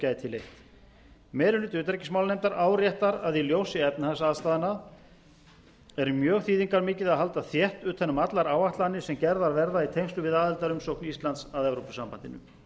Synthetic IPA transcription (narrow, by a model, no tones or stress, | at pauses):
cajɪt̪ʰɪlːejht̪ | mɛːɾʏnɪt̪ʏːt̪ɾecɪ̥smawlnejmt̪aɾaːwɾjɛht̪aɾaðiljoːwsɪɛp̪nhasaːðst̪aːðɪnað | ɛɾmjœːɣθiːðiŋkaɾmɪːcɪðaðɦalt̪aθjɛht̪ʏːt̪ʰθɛnːʏmat̪laɾaːwaht̪lanːɪsɛmcɛɾðaɾvɛɾðait̪ʰejŋst̪ʏvɪðaːðɪlt̪aɾʏmsoknist̪lant̪saðɛvɾopʏsampant̪ɪ̰nʏ̰